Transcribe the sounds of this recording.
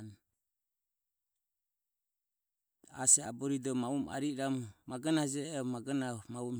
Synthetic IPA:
n | a̰sɛa̰bɔɾidɔmauma̰ɾiɾammaɡanad͡ʒɛɔmaɡanamaum

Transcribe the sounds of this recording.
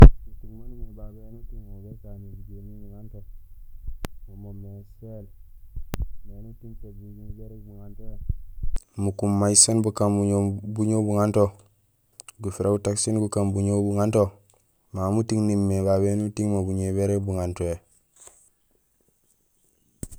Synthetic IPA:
mutiŋmanmebabenutiŋmobesanid͡ʒemibuŋanto | mumomesel | menutinsobud͡ʒinbeɾebuŋantoe | mukumːaisanbukamuɲobuɲobuŋanto | ɡufiɾaɡutaksinɡukambuɲobuŋanto | mamutiŋnimːebaβenutiŋmobuɲeβeɾebuŋantoe

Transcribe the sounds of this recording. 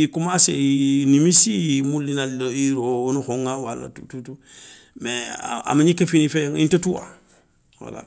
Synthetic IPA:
ikumasejinimisimulːinaloiɾounuhoŋawala̰tututu | mḛa̰maɲikefinifeŋintetuwa̰ | wa̰la̰

